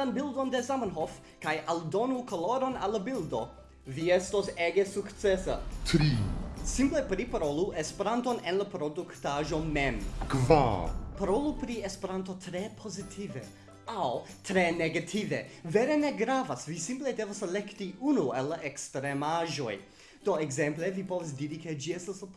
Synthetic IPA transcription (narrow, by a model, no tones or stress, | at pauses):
anbildondezamanɦof | kajʔaldo̞nukoloɾo̞nalːabildo̞ | viestoseɡesukt͡sesa̰tɾisimplepɾipaɾoluʔespeɾantonenlapɾoduktaʒo̞memkva̰paɾolupɾiespeɾant̪ot̪ɾepʰozitʰive | awtɾeneɡatʰiveveɾeneɡɾavasvisimpledevaselektiunualːaʔekstɾemaʒo̞j | d̥oeɡzemplevipoves̬diːɾiked͡ʒiestas